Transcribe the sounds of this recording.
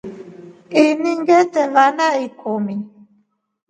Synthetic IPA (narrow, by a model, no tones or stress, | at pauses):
iniŋɡɛtɛvanaikʰomi